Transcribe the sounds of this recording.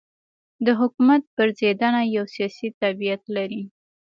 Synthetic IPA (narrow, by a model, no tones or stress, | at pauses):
d̪əɦʊkumat̪̚pəɾzed̪anajawsijɑsit̪abijat̪laɾi